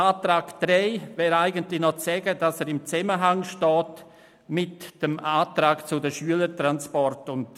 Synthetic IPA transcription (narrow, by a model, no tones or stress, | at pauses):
aːtɾaːkd̥ɾɛɪvɛːɾaɪɡəntlɪnɔt͡sɛɡədasɛːɾɪmt͡sɛməɦaŋʃtɔːt | mɪtd̥əmaːtɾaːɡt͡sʊdəʃyələtɾanspɔrtʊnd